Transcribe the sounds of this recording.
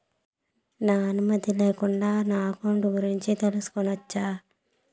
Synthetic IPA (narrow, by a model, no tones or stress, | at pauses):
naːnumɐd̪ileːkuɳɖaːnaːkoɳɖuɡuɾiɲt͡ʃit̪elusu̥konɐt͡ʃːaː